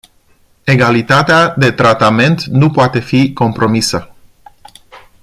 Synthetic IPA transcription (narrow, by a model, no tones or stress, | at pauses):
e̞ɡalit̪at̪ead̪e̞t̪ɾat̪ame̞nt̪nupoat̪e̞fiko̞mpɾo̞misə